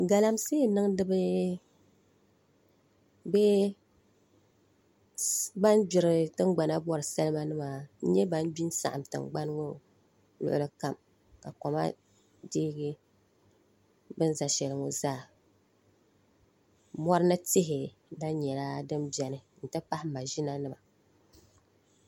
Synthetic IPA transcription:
ɡa˨la˦mseː˦nɨ˦ŋ˦dɨ˦bɨ˦ | bɛ˦ | ba˦nd͡ʒʊ˨ɾɨ˨tɨ˦ŋɡ͡ba˨na˦bɔ˦ɾɨ˨sɛ˦lɨ˦ma˦nɨ˦maː˨n̩˦ɲɛ˦ba˦n˦bi˦n˦sa̰˨ʔa˨mtɨ̰˨ŋɡ͡ba˦n˦ŋo˦ | lʊ̰˨ʔʊ̰˦˨lɨ˦ka˨m | ka˨kɔ˨ma̰˦ | diː˦ɡɪ˦ | bɨ˦n˦za˨ʃɛ˨lɨ˨ŋo˨zaː˦˨ | mɔ˦ɾɨ˦nɨ˦tɪ˦ɦɪ˨ | la˦ɲɛ˨la˦dɨ˦mbjɛ˨nɨ˨n̩˨tɨ˦pa˦hɪ˦ma˨ʒi˦na˦nɨ˦ma˨

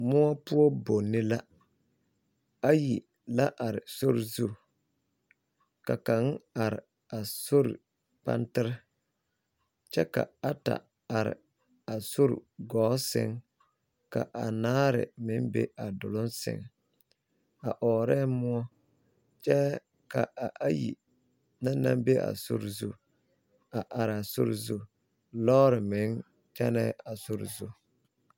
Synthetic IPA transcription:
mʊ˦ɔ˦pʊ˦ɔ˦bo˨nːɪ˦la˦ | a˦ji˨ | la˦ʔa˨ɾɪ˨so˦ɾzu˦˨ | ka˨ka˨˦ŋ˦a˨ɾɪ̰˨ | a˨so˦ɾḭ˨ | pa̰˦ntɪ˦ɾɪ˦ | t͡ʃɛ˦ka̰˨a˦ta̰˨ | a˨ɾɪ̰˨ | a˨so˦ɾ̰ɡɔː˨˦sɪ̰˦ŋ | ka̰˨ʔa˨naː˦ɾɪ̰˨mɪ˦nbḛ˦a˨dʊ˨lʊ˦nsɪ̰˦ŋ | a˨ʔɔː˨ɾɛ˦mʊ˦ɔ˦ | t͡ʃɛ˦ | ka˨ʔa˨ʔa˦jḭ˨ | na˦na˦mbe˦ʔa̰˨sʊ̰˦ɾzu˦˨ | a˨ʔa˨ɾɪ˨a˨sʊ˦ɾzu˦ | lɔː˦ɾɪ˨mɪ˨˦ŋ | t͡ʃɛ˦nɛ˦a˨sʊ˦ɾzu˦

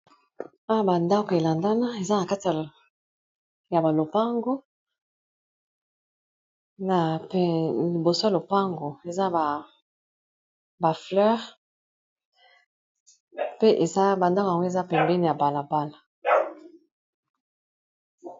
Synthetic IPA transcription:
a˦wa˦˨ba˨nda˦ko˨e˨la˨nda˦na˦e˨za˦na˨ka˦ti˨a˨ | ja˨ba˨lo˨pa˦ŋɡo˦ | na˨pli˨bo˨so˦ja˨lo˨pa˦ŋɡo˨e˨za˦a˨ | ba˨flɛ˦ʁ | pe˦ʔe˨za˦ba˨nda˦ka˨ŋɡo˦e˨za˦pɛ˨mbɛ˦ni˨ja˨ba˨la˨ba˦la˨

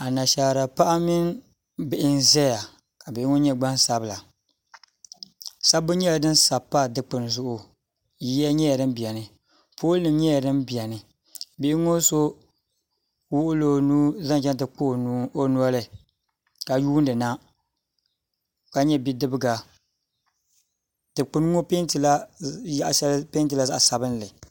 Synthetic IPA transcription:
a˨na˨ʃa˨ɾa˨pa˦ʔa˦mi˦n | bɪ˨ʔɪ˦n˦zɛ˦ja˨ | ka˨bɪ˨˦ŋo˦ɲɛ˦ɡ͡ba˦n˦sa˦bɨ˦la˨ | sa˦bɨ˦ɲɛ˦la˨dɨ˦n˦sa˨pːa˦˨dɨ˦k͡pɨ˨n˨zʊ˦ʔʊ˦ | ji˦ja˦ɲɛ˦ja˨dɨ˦mbi˨a˨nɨ˨ | poː˦lnɨ˨m˦ɲɛ˦a˨dɨ˦mbi˨a˨nɨ˨ | be˨˦ŋo˦so˦ | wʊ˦ʔʊ˦loː˦nuː˦za˦n˦t͡ʃɛ˦n˦tɨ˨k͡po˦˨n˦o˦nu˦a˦lɨ˨ | ka˨juː˦n˦dɨ˨na˦ | ka˨ɲɛ˦bi˦dɨ˦bɨ˦ɡa˨ | tɨ˨k͡pɨ˨n˦ŋo˦pe˦ntɨ˨la˦a˦ʔʃlpe˦n˦tɨ˨la˦za˦ʔa˨sa˨bɨ˦n˦lɨ˨

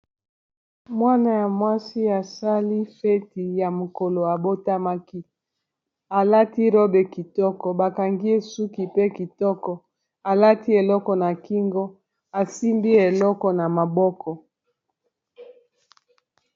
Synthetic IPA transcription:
mwa˦na˨ja˨mwa˦si˦a˨sa˦li˦fe˦ti˨ja˨mo˨ko˨lo˨a˨bo˦ta˦ma˦ki˦ | a˨la˦ti˦ɾɔ˦be˨ki˨tɔ˦kɔ˨ba˨ka˨ŋɡi˦e˦su˦ki˨pe˦ki˨tɔ˦kɔ˨ | a˨la˦ti˦e˨lɔ˦kɔ˨na˨ki˦ŋɡɔ˦ | a˨si˦mbi˦e˨lɔ˦kɔ˨na˨ma˨bɔ˦kʰɔ˨

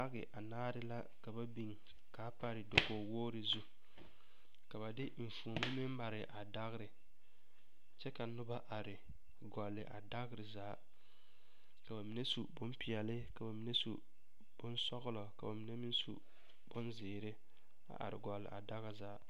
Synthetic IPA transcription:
a˦ɣɪ˨ʔa˨naː˦ɾɪ˦la˦ | ka˨ba˦bi˨ŋ | ka˨˦pa˦ɾɪ˨do˨ɡo˨woː˦ɾɪ˨zu˦ | ka˨βa˨dɪ˦ɱ̩˨fu˨o˨ma˦mɪ˦mma˨ɾɪ˨ʔa˨da˦ɣɪ˦ɾɪ˨ | t͡ʃɛ˦ka˨nʊ˦ba˦ʔa˨ɾɪ˨ | ɡɔ˨lɪ˨ʔa˨da˦ɣɪ˦ɾɪ˨zaː˦ | ka˨ba˨mi˨˦ne˦su˨bʊ˦mpi˨ɛ˨lɪ˦ka˨ba˨mi˨ne˦sṵ˨ | b̥ʊ˦nsɔ˦ɣʊ˦lɔ˨ka˨ba˨mi˨ne˦mi˦n˦sṵ˨ | b̥ʊ˦nzɪː˨ɾɪ˦ | a̰˨ʔa̰˨ɾɪ˨ɡɔ˨lːɪ̰˨ʔa̰˨da˦ɣa˦zaː˦

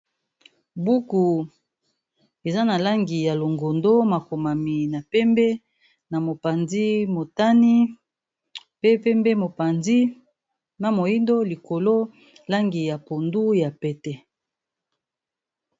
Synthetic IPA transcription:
bu˦ku˨ | e˨za˦na˨la˦ŋɡi˨ja˨lo˨ŋɡo˨ndo˦ma˨ko˨ma˨mi˨na˨pɛ˦mbɛ˦ | na˨mo˨pa˨nzi˦mo˨ta˦ni˦ | pe˦pɛ˦mbe˦mo˨pa˨nzi˦ | na˨mo˨ji˦ndo˦li˨ko˨lo˦ | la˦ŋɡi˨ja˨po˨ndu˦ja˨pɛ˨tɛ˦

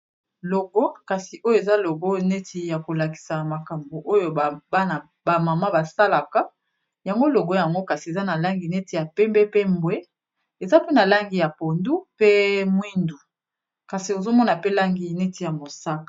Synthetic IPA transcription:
lo˨ɡo˦ka˨si˨ʔo˦jo˦e˨za˦lo˨ɡo˦ne˦tʰi˨ja˨ko˨la˨ki̥˨sa˨ma˨ka˨mbo˨ʔo˦jo˨ba˦na˨ | ba˨ma˨ma˦ba˨sa˦la˨ka˦ | ja˨ŋɡo˦lo˨ɡo˦ja˨ŋɡo˦ka˨si˨e˨za˦na˨la˦ŋɡi˨ne˦ti˨ja˨pɛ˦mbɛ˦pe˦mbwe˦ | e˨za˦pe˦na˨la˦ŋɡi˨ja˨po˨ndu˦pe˦mwi˦ndu˨ | ka˨si˨o˨zo˦mɔ˦na˨pe˦la˦ŋɡi˨ne˦ti˨ja˨mo˨sa˦kḁ˨

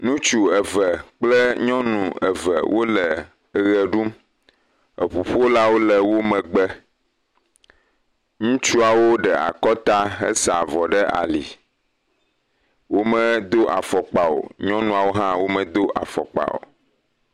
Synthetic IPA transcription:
nũ˦t͡ʃu˨ə˨və˨k͡plə˦ɲɔ̃˦nũ˨ə̰˨və̰˨wʔo˦lə˨ | ɣə˨ɖu˦m | ə˨ɸu˨ɸu˦o˦la˦wo˦lə˨wo˦mə̃˨ɡ͡bɛ˦ | ŋũ˦t͡ʃu˦a˨wo˦ɖɛ˨a̰˨kɔ˦t̪a˦ɦə̰˦sa˨vɔ˨ɖə˦a̰˨li˨ | wo˦mə̃˦d̪o˦ʔa˨fɔ˨k͡pa˨o̰˨ɲɔ̃˦nũ˨a˨wo˦ɦã˦wo˦mə̃˨d̪o˦ʔa̰˨fɔ̰˨k͡pa̰˨o̰˨

